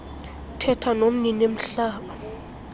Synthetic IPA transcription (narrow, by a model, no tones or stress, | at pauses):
tʰɛtʰanom̩ninem̩ɬaːɓa